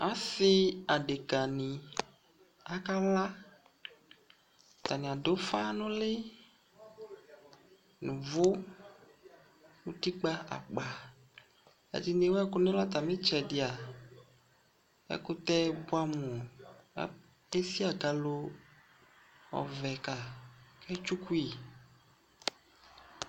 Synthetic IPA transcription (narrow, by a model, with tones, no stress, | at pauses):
a˦sɪ˦a˨ɖɪ˨ka˨nĩ˨ | a˨ka˦la˦ | t̪a˨nĩ˨a˨dʊ˨˦fa˦nʊ̃˦lɪ˦ | nʊ̃˨vʊ˦ | wu˦ti˦k͡pa˦a̰˨k͡pa˨ | ɛ̰˨dɪ˨ne˨˦wɛ˦kʊ˦nɪ˦la˦t̪a˨mɪ̃˦t͡ʃɛ˨dɪ˨a˨ | ɛ̰˦kʊ˦t̪ɛ˦bʊ˦a˦mʊ̰̃˨˦ | e˦si˦a˨ɡa˨lo˧ | ɔ̰˨vɛ˨ka˨kɛ˦t͡ʃu˦ku˦i˨